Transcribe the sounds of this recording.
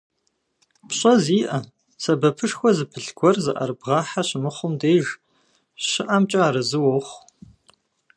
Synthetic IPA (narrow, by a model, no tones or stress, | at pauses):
pɕʼɐziːʔɐ | sɐbɐpʰɨʂxʷɔzɨpʰɨɬɡʷɔrzɨʔɐ̰ɾbʁɑːħaɕɪmɨχʷʊmdeːʒ | ɕɪʔamt͡ʃʼaaːɾɨzɨwoχʷ